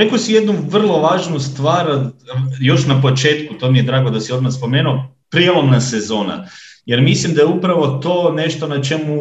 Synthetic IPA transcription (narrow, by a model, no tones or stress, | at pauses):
ɾekosijed̪nuʋr̩lˠo̞ʋaːʒnust̪ʋaːɾ | jo̞ʃnapo̞t͡ʃe̞ːt̪kut̪o̞mije̞d̪ɾaːɡod̪asio̞d̪maxspo̞meːnuo | pɾijelˠomnase̞zo̞ːna̰je̞ɾmislimd̪ajeupɾaʋo̞t̪o̞ːne̞ʃt̪o̞nat͡ʃe̞mu